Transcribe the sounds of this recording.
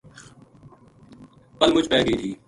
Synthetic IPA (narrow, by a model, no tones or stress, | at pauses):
pəlmʊt͡ʃpɛːɡəiːt̪ʰiː